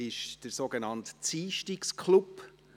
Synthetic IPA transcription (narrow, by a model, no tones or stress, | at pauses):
ɪʃd̥əɾsoɡenɑntt͡siːʃtikskʰlup